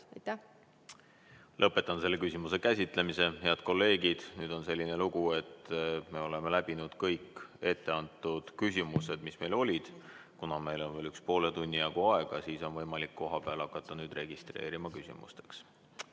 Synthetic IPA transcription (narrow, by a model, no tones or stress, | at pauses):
jt̪ːæ | lʔɤpːˑe̞t̪ːˑɑnse̞lːe̞kysʲimuse̞kæsʲit̪ˑle̞mise̞he̞ɑd̪̥̚ko̞lːe̞ːɡid̪̥nyːd̪̥o̞nse̞lʲːine̞luɡ̥ue̞t̪ːme̞ːo̞le̞melæb̥inud̪̥kɤjke̞t̪ːe̞ɑnt̪ːˑud̪̥kys̬ʲimuse̞d̪̥misme̞jlo̞lʲid̪̥kunɑme̞jlo̞nveːlykspo̞ːlet̪unʲːijɑɡ̥uɑe̞ɡ̥ɑsiːso̞nvɤ̞jmɑlikːo̞ɦɑpeɑlɑkːˑɑt̪ːˑɑnyːd̪re̞ɡ̥ist̪re̞̰ːɾimɑkysʲḭmṵst̪e̞̥ks